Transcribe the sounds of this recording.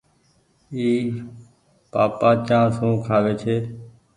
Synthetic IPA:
iː | paːpaːt͡ʃãːsũːkʰaːʋeːt͡ʃʰeː

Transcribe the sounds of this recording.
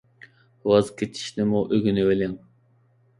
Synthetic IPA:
wɑzkʲʰet͡ʃʰi̥ʃnɪmuʔøɡʲynɪelɪŋ

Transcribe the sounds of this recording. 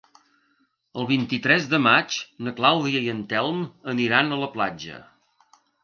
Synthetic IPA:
əlˠβ̞int̪it̪ɾɛzðəmat͡ʃnəklawðiəiənt̪ɛlˠməniɾanələplad͡ʒə̰

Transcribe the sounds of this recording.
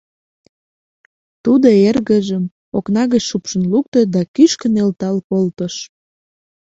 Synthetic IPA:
t̪ud̪oerɣəʒəm | oknɑɣət͡ɕʃupʃənluk̚t̪ed̪ɑkyʃkənelt̪ɑlkolt̪əʃ

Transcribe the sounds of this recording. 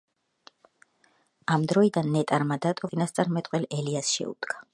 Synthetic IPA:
amd̪ɾɔid̪anːɛt̪ʼaɾmad̪at̪ʼɔinast̪sʼaɾmɛt̪ʼqʼwɛlɛliasʃɛ̰ṵd̪̥ɡa

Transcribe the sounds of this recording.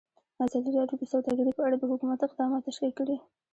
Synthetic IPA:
azaliɾjɑt̪od̪əsawd̪ɑɡɪɾipəaɽad̪əhʊkumat̪ɪqd̪ɑmɑt̪ːaʃkikːəɽi

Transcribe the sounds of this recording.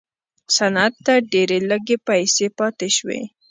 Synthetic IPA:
sanat̪ːaɖeɾeləɡepajsepɑt̪eʃwḛ

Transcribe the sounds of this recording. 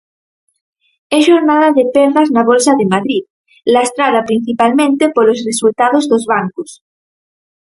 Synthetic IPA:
eʒoɾnaðaðepeɾðaznaβ̞olsaðemaðɾið | last̪ɾaðapɾin̟θipalmẽnt̪epolosresult̪að̞ozðozβaŋkus

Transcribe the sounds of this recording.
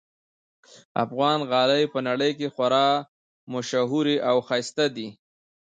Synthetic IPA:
a̰fɣɑnɣɑləjpənaɽəjkexwaɾɑ | mʊʃaɦuɾeʔawxajst̪ad̪i

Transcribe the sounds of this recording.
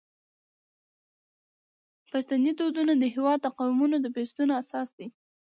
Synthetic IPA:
past̪anit̪od̪unod̪əɦɪwɑd̪̚t̪aqɑwɪmunod̪əpest̪unoasɑsd̪i

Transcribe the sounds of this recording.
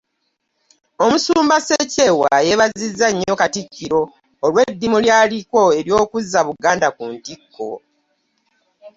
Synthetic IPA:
omusuːmbasece̞waje̞βazizːaɲːo̞katicːiɾo̞ː | lwe̞dːimuljaːliko̞e̞ɾjo̞ːkuzːaβuɡaːndakuntikːo̞̰

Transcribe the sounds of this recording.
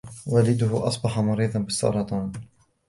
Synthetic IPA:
waːlɪd̪ʊɦʊʔɑsˤbɑħamɑɾiːd̪ˤɑnbɪsːɑ̰ɾˤɑt̪ˤɑːn

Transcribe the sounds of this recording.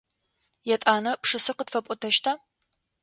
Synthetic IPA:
jɛtʼaːnɐpʂɨsɨqədfɐpʷʼʊtʰɐʃtʰa

